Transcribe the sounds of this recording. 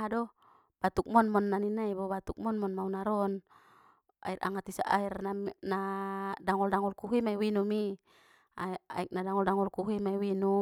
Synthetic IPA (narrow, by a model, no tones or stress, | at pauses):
ɦadɔ | b̥at̪uk̚mɔnmɔnːaninaibɔbat̪uk̚mɔnmɔnmaunaɾɔn | a̰irʔa̰ŋat̪isa̰ʔairnanadaŋɔldaŋɔlkuɦimaiwinumi | aa̰ɛk̚nadaŋɔldaŋɔlkuɦimaiwinu